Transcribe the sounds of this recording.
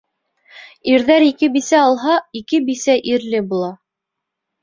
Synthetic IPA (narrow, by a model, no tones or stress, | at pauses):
iɾðæɾikɘbisæɑlˠɦɑikɘbisæʔiɾlɘbulˠɑ